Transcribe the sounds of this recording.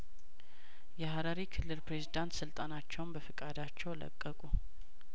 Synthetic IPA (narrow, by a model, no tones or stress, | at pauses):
jɛhaɾaɾikʰɨlːɨlpɾe̞zid̪ant̪sɨlt̪ʼanat͡ʃːɛwnbəfɨkʼad̪at͡ʃːɛwlə̰kʼːəkʼu